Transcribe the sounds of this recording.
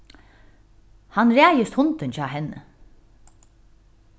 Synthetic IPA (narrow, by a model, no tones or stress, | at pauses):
hanɾæːjəst̪hʊnt̪ənc͡çɑːɦɛnə̰